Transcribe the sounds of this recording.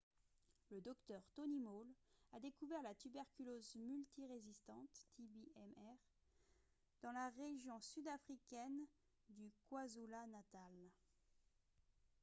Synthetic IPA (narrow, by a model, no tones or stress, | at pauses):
ləd̪ɔkt̪œʁt̪ɔnimolad̪ekuvɛʁlat̪ybɛʁkʲylozmylt̪iʁezist̪ɑ̃t̪ːibiʔɛmɛʁ | d̪̥ɑ̃laʁeʒjɔ̃syd̪afχikʲɛn | d̪ykwazulanat̪al